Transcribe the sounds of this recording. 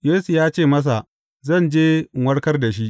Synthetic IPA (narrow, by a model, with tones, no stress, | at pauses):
jeː˦su˨jaː˦t͡ʃeː˦˨mɐ˦s̬a˨ʔ | zɐ˦˨nd͡ʒeː˦˨ŋwɐ˦ɽkɐ˦rda˨ʃi˦ʔ